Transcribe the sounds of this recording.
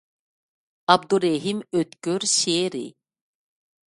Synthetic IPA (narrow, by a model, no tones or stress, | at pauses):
ab̚d̪uɾeɦimøt̪køɾʃeːɾḭ